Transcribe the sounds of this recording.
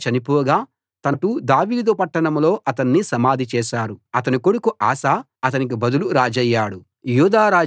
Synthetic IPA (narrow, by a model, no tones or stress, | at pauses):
t͡ʃɐnipɔːɡaː | t̪ɐnɐʈud̪aːʋiːd̪upɐʈːɐɳɐmlo̞ːʔɐt̪ɐnːisɐmaːd̪ʱit͡ʃɛːʃaːɾuɐt̪ɐnikoɽukuʔaːsaː | ɐt̪ɐnik̬ibɐd̪uluɾaːd͡ʒɐjːaːɽu | juːd̪aːɾaː